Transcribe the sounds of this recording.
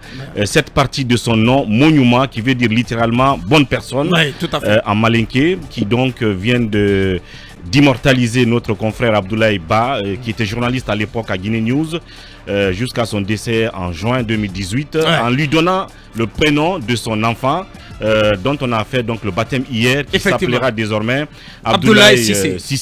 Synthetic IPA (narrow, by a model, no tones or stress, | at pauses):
sɛt̪paʁt̪id̪əsɔ̃nɔ̃mɔɲymɑ̃kʲivəd̪iʁlit̪eʁalmɑ̃bɔnpɛʁsɔnuʔãmalɛ̃kekʲʰid̪ɔ̃kvjɛ̃d̪ə | d̪imɔʁt̪alizenɔt̪χəkɔ̃fʁɛʁab̚d̪ulaibakʲiet̪ɛʒuʁnalist̪alepɔkaɡʲinenjuz | ʒyskasɔ̃d̪esɛɑ̰̃ʒɥɛ̃d̪ømild̪izɥit̪ɑ̃lɥid̪ɔnɑ̃ | ləpχenɔ̃d̪əsɔ̃nɑ̃fɑ̃ | d̪ɔ̃t̪ɔ̃nafɛd̪ɔ̃kləbat̪ɛmijɛʁkʲsapləʁad̪ezɔʁmɛ | ad̪ulasi